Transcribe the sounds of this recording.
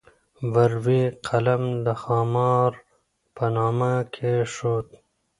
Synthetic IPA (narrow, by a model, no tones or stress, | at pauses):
ʋɐɾwiqʰɐlɐmd̪əxɑːmɑːɾ | pɐnɑːmakʰeʂoːt̪